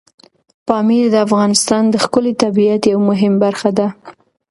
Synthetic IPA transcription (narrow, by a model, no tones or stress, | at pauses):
pɑmiɾd̪əafɣɑnɪst̪ɑnd̪əxkʊlet̪abijat̪jawmʊɦɪmbaɾxad̪a